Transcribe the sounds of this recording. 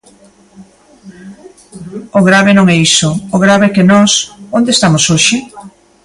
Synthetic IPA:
oɣɾaβɪnõŋɛisoːɣɾaβeɛkɪnɔsond̪eːst̪amosoʃɪ

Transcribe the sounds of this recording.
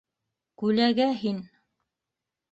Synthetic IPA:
kʉlæɡæɦin

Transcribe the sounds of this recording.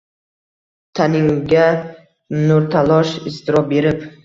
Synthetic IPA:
t̪ʰanɪŋʊɡʲa | nʊɾt̪ʰalˠɒʃɪst̪ʰɪɾɒbe̞ɾɪp

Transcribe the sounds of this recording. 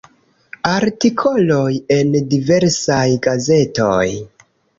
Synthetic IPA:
aɾtikʰo̞lo̞je̞ndive̞ɾsajɡaze̞to̞̰j

